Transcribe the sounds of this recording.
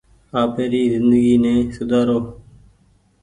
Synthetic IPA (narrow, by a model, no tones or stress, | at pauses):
aːpʰeːɾiːzɪnd̪əɡiːnẽːsʊd̪aːɾoː